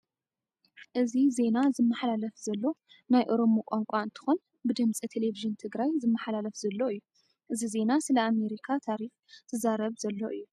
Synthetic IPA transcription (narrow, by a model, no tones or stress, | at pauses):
ʔɨzize̞nazɨmːɐħlalɐfzɐlːo̞ | najʔoɾo̞mukʷʼaŋkʷʼaɨnt̪ʰɨ̥xon | bɨd̪ɨmt͡sʼit̪ʰe̞leviʒɨnt̪ʰɨɡɾajzɨmːɐħlalɐfzɐlːo̞ɨjːu | ʔɨzize̞nasɨlɐame̞ɾikʰat̪ʰaɾix | t̪ʰɨzaɾɐβzɐlːo̞ʔɨjːu